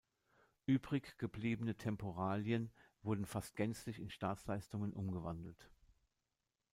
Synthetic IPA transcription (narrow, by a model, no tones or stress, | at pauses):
ʔyːbʁɪçɡ̥əbliːbənətʰɛmpʰoʁaːljənvʊɐdn̩fast̚ɡ̥ɛnt͡slɪçɪnʃtaːt͡slaɪstʊŋənʔʊmɡəvandl̩t